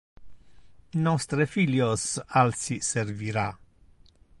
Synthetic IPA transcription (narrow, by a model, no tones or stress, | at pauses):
nɔst̪ɾefiljosalsiseɾviɾa